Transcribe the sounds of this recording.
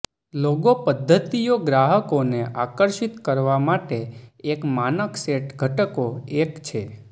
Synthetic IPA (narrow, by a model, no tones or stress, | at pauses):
loɡopəd̪ʱːət̪ijoɡɾaɦəkoneʔakəɾʃit̪kəɾʋamaʈeekmanəkseʈɡʱəʈəkoekt͡ʃʰe